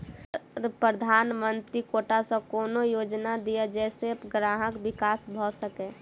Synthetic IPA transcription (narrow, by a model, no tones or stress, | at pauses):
pɾəd̪ʱaːnmənt̪ɾikoːʈasə̃koːnojoːd͡ʒnad̪ijad͡ʒɛːseɡɾaːɦəkbɪkaːsbʱɔsəkẽ